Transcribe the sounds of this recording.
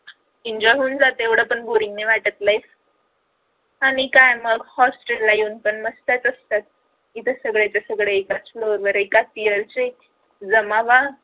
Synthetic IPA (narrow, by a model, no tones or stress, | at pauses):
iɲd͡ʑɔɦuːnd͡zat̪eʋɽ̤əpəɳbuɾiŋɡneʋaʈət̪lajf | aɽ̃ikajməɡhɔsʈelːajuːnpəɳməst̪at͡səst̪at̪̚ | it̪ʰəsəɡɭjat͡ɕasəɡɭeekat͡sfloɾʋəɾekat̪iəɾt͡se | d͡zəmaʋa